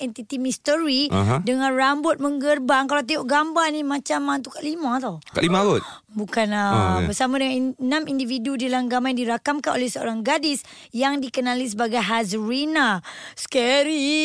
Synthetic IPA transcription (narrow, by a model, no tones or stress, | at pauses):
ʔɛnt̪it̪imist̪əɾiɦdəŋãnrambot̪̚məŋɡərbaŋkalawt̪ioʔɡambanĩmãt͡ʃamant̪ukaʔlimãt̪awka̰ʔlimalot̪̚ | bukanəbərsamãdəŋannãmindividudilaŋɡamajndiɾakamkanʔo̰lɛhsəo̰ɾaŋɡadis | jaŋdikənalis̬əbaɡajɦazɾinaskɛɾi